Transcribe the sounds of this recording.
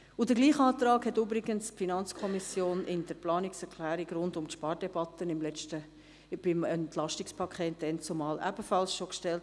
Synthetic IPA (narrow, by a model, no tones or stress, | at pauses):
ʊd̥əɡliːχɑːt̪ɾɑːkhɛtyːbɾɪɡənsfinɑnt͡skʰɔmisjoːnɪnd̥əɾplɑːnɪksɛɾkʰlæːɾiɡɾʊndʊmtʃpɑːɾd̥ɛbɑt̪ənɪmlɛtə | b̥ɪmɛntlɑʃtɪkspʰɑkʰχeːt̚d̥ɛnt͡sumɑːlʔæ̰bəfɑlsʃokʃtɛlt